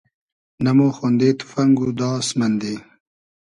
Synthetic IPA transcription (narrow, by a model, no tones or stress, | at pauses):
namoxond̪et̪u̥faŋɡud̪ɑːsmand̪eː